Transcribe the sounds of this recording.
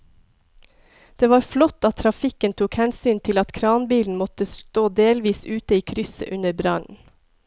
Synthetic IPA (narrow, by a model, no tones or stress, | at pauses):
d̪̥eːʋɑːɾflɔt̪ɑt̪ʰɾɑfɪkənt̪ʰuːkhɛnsyːnt̪ʰɪlɑt̪kʰɾɑːnbiːln̩mɔt̪əst̪oːd̪eːlʋiːsʉːt̪əiːkʰɾʏsə̰ʔʉnəɾbɾɑn